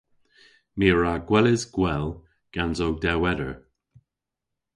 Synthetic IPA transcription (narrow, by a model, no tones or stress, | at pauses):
miːəɹaɡwɛlɪzɡ̥wɛl | ɡ̥anzowdɛwɛɾəɹ